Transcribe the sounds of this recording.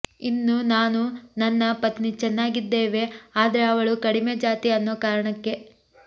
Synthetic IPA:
inːunaːnunɐnːɐpɐt̪nit͡ʃɛnːaːɡid̪ːeːʋe̞aːd̪ɐɾeɐʋɐɭukɐɽimed͡ʒaːt̪iɐnːoːkaːɾɐɳɐkːe̞

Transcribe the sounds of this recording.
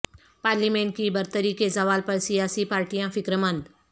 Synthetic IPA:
paːɾliːmẽːɳʈ̚kibɐɾt̪əɾikesɐʋaːlpɐɾsijaːsipaːɾʈijãfɪkɾmə̃nd̪

